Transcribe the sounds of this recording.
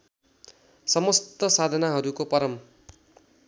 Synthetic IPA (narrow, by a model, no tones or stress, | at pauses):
sʌmʌst̪ʌsad̪ʱʌnaɦʌɾukopʌɾʌm